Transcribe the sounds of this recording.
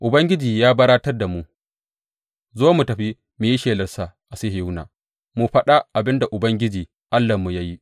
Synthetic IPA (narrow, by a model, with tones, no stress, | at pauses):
ʔʊ˨bɐ˦ŋɡʲɪ˦d͡ʒiː˨jaː˦bɐ˦ɾaː˦tɐ˦rda˨mu˨ | zoː˦mu˨tɐ˨ɸi˦ | mu˨ji˦ʃeː˨lɐ˦rsa˦˨ʔa˨se˦hju˦na̰ː˨ | mu˨ɸɐ˦ɗa˦ʔa˨bɪ˦nda˨ʔʊ˨bɐ˦ŋɡʲɪ˦d͡ʒiː˨ | ʔa˦lːa˨mu˨ja˦ji˦